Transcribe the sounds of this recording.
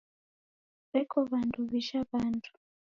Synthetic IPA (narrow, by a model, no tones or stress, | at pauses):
βɛkʰɔβantʰuβiʃaβaːntʰu̥